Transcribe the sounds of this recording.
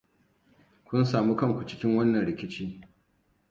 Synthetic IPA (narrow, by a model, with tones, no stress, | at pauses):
kʷʊ˦nsaː˨mu˦kɐ˦˨ŋkʷu˨t͡ʃɪ̥˦kʲɪ˦ŋwɐ˦nːɐ˨nɽɪ˨kʲɪ˦t͡ʃiː˦